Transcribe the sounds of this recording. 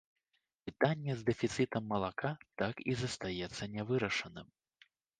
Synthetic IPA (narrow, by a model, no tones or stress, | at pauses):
pɨt̪anʲːɛzd̪ɛfʲit̪sɨt̪ɐmːɐlˠakat̪akizɐst̪ajɛt̪sːɐnʲɛvɨɾɐʂɐnɨm